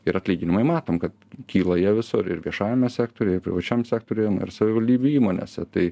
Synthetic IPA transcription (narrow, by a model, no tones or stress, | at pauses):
ɪɾɐt̪ʲlʲiːɡʲɪnʲɪmɐɪmɑːt̪oːmkɐt̪kʲiːlˠɐjiɛʋʲɪsʊɾɪ̰ɾʋʲiɛʃɑːʋʲɪmʲɛsʲæːk̚t̪oɾʲujɛɪpʲɾʲɪ̰ʋɐt͡ʃʲɛmsʲæːkt̪oːɾʲyjɛnʊ̰ɪɾsɐʋʲɪʋɐlʲd̪ʲiːbʲuːiːmoːnʲḛsʲɛt̪ɐɪ